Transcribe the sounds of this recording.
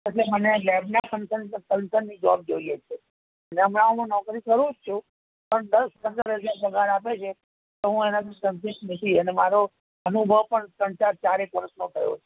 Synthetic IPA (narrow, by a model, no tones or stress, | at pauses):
eʈlemənelɛbnakənsənsə̃nsənːid͡ʒɔ̰b̚d͡ʒoiet͡ʃʰe | əneɦəmɽamãnɔkɾikəɾud͡ʒt͡ʃʰũ | pəɳd̪əd̪əsd̪aɾed͡ʒẽbəɡʱaɾapet͡ʃʰe | t̪oɦũenat̪ʰĩsənsɪsʈnit̪ʰiənemaɾo | ənubʱəʋpəɳsə̃ɳt͡ʃaɾ̚t͡ʃaɾekəɾəsnokəɾjo̰t͡ʃʰe